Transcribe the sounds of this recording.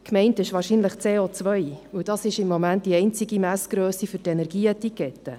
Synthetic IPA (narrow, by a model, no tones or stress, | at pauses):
kmɛɪntɪʃʋɑːɾʃinləχt͡seːoːt͡sʋœjəwd̥ɑsɪʃɪmːomænt̚d̥iɛɪnt͡siɡimæsɡ̥ɾøːsifʏɾtɛnɛɾɡiːətikɛtːə